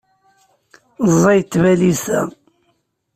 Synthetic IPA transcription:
zˤɑjt̪ːvælisæ

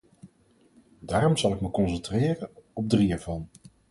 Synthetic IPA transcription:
daːɾɔmzɑlˠɪkməkɔnsəntrɪːrənɔb̚driɛːɹvɑn

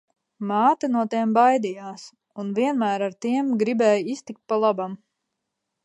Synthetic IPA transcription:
maːt̪anuɔt̪iɛmbajd̪ijaːs | unviɛnmæːɾaɾt̪iɛmɡɾibɛːjist̪ik̚t̪̚palˠabam

